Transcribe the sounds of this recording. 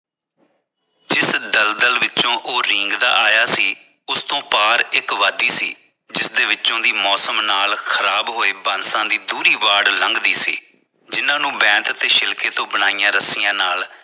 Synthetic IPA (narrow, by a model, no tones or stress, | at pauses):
d͡ʒɪsd̪əld̪əlʋɪtːt͡ʃõːʔoːɾɪ̃ŋɡd̪a̰ːʔaːjaːsiː | ʊst̪õːpaːɾɪkʋaːd̪iːsḭː | d͡ʒɪsd̪eːʋɪtːt͡ʃõːd̪iːmɔːsəmnaːlkʰəɾaːbɦoːeːbənsãːd̪iːd̪uːɾiːʋaːɽləŋɡd̪iːsḭː | d͡ʒɪnãːnũːbɛ̃ːnt̪t̪eːʃɪlkeːt̪õːbəɽ̃aːijãːɾəsɪjãːnaːl